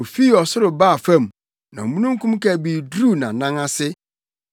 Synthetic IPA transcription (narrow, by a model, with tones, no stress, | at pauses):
o˨fi˦˨ɔ˨sʊ˦ɾʊ˨baː˦˨fã˦˨m˨ | nã˨mũ˦nũ˦ŋ̩˦kʰũ˦m˦ka˨bi˨dɾu˦˨nã˨nã˦ŋa˦sɪ˦